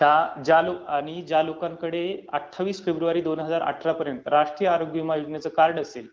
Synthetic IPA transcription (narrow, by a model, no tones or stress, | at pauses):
t̪ad͡ʑaloaɽ̃id͡ʑalokãŋkəɽeə̰ʈʰːaʋiːsfebɾuʋaɾiːd̪onɦəd͡zaɾa̰ʈʰɾapəɾjənt̪əɾaʂʈɾijəaɾoɡʋimajud͡ʑnjat͡səkaɾɽəsel